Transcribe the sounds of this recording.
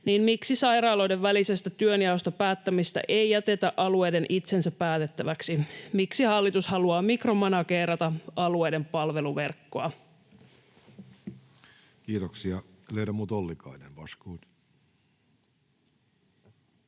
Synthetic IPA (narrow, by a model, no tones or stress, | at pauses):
niːnmiksisɑjɾɑːlo̞jde̞ʋːælise̞st̪æt̪yønjɑost̪ɑpæːt̪ːæmist̪æ̰ʔe̞jjæt̪e̞t̪æʔɑlue̞jde̞nʔit̪se̞nsæpːæːt̪e̞t̪ːæʋæksimiksihɑlːit̪ushɑluɑːmikro̞mɑnɑkeːrɑt̪ɑɑlue̞jde̞mpɑlʋe̞luʋe̞rkːoɑ | kiːt̪oksiɑ | leiɾɑmut̪olːikɑ̰inḛnʋɑ̰skuːt̪